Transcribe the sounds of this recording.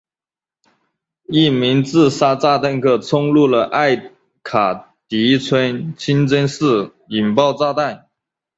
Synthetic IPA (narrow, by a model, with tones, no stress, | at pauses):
i˥˩mi˧˥ŋt͡sɹ̩˥˧sa˥t͡sa˥˧t̪a˥˧nkʰɤ˥˧t͡sʰʊ˥ŋlu˥˩lə˩ʔa˥˩ɪ | kʰa˨˩ | t̪i˧˥t͡sʰwə˥nt͡ɕʰi˥nt͡sə˥nsɹ̩˥˩ | i˨˩npɑ˥˧ʊt͡sa˥˧t̪a˥˩n